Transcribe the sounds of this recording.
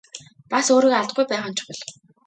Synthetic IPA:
pasoːɾikaɮt̪̚ɡujpæːχə̆nt͡ɕʰʊ̥pə̆ɮ

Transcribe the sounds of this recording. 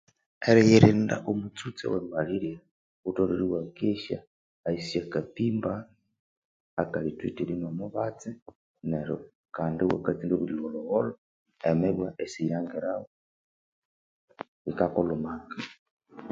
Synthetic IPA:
eɾɛjeɾenda̰ʔomut͡sut͡sḛwembaliɾja | utoliɾiwakeʃa̰ː | isiakatimba | kalitwitilinomuβat͡se | neɾo̰ | kaːndiwa̰kat͡sindoβiloloɣolo | emeβwaʔesijaːŋɡeɾao | ikakolomaɡa

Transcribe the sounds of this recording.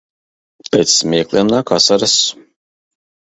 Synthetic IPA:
pʲɛt̪smʲiɛklˠʲiɛmnakasaɾas

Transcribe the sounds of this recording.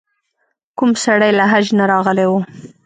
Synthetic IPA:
kumsaɽajlaɦad͡ʒnaɾɑɣəlewu

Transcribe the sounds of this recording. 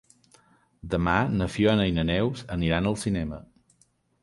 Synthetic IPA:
d̪əmanəfjoənəjnənɛwzəniɾanəlˠsinɛmə

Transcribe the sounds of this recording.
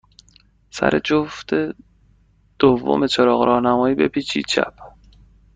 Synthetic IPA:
sæ̰ɾʔe̞d͡ʒoft̪ʰe | d̪̥ovːo̰me̞t͡ʃʰeɾɒːɣɾʔɒːhnæmɒːjiːbepʰiːt͡ʃʰḭːt͡ʃʰæ̰p̚ʰ

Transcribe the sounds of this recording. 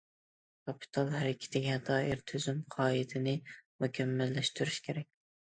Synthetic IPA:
kʰɑpʰɪ̥t̪ʰɑlˠhaɾɪkʲʰːɪ̥t̪ʰaɡʲɪhat̪ʰɒːɪɾt̪ʰɵzɪmqʰɒːɪd̪ʰɪnɪmʊkʲʰamːalːaʃt̪ʰʊɾɪʃkʲʰeɾak̚ʲ

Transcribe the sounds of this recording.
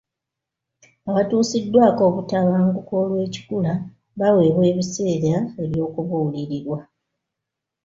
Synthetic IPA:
aβatuːsidːwaːko̞ːβutaβaːŋɡuko̞lwe̞ːci̥kula | βawe̞βwe̞ːβise̞ːɾae̞βjo̞ːkuβuuliɾiɾwa

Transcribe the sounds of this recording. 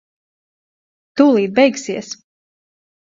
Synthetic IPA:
t̪uːlˠiːd̪̚bɛjksiɛs

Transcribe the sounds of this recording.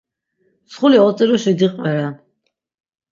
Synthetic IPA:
sχuliɔt̪sʼiɾɔʃid̪iqʼwɛɾa

